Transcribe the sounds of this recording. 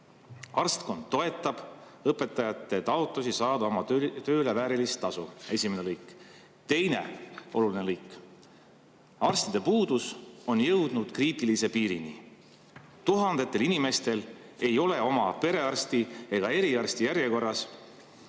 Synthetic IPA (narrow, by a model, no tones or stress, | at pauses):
ɑrst̪ko̞nd̪̥ːo̞e̞t̪ːˑɑb̥ɤpːˑe̞t̪ːˑɑjɑt̪ːˑe̞t̪ɑot̪ːˑusisɑːd̪̥ɑo̞mɑt̪ø̞ːle̞væːɾilist̪ːɑsue̞sʲimenelɤjkːˑ | t̪e̞jne̞̰o̞̰luline̞lɤjkːˑ | ɑrst̪id̪e̞puːd̪uso̞njɤwd̪̥nud̪̥kriːt̪ilise̞piːɾinḭ | t̪uɦɑnd̪e̞t̪ːˑelinime̞st̪e̞l | e̞jo̞le̞o̞mɑpe̞ɾe̞ɑrst̪ie̞ɡ̥ɑe̞ɾiɑrst̪ijæɾjeko̞rːɑs